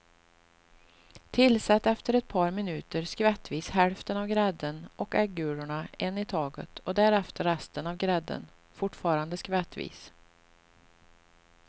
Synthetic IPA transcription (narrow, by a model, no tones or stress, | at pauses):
t̪ʰɪlsɛt̪ːɛft̪əɾɛt̪̚pʰɑːɾmɪnʉ̟ːt̪əɾskvɛt̪ːviːshɛlft̪ənavɡɾɛd̪ənɔkɛɡʉ̟ːɾʊɳaɛnːɪt̪ʰɑːɡə̰t̪ɔd̪æɾɛft̪əɾːɛst̪ənavɡɾɛd̪ːə̰n | fʊʈfɑːɾand̪əskvɛt̪ːvḭːs